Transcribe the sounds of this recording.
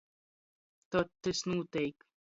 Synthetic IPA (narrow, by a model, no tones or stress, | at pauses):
t̪ɔt̪ːɨsnuːt̪ɛjk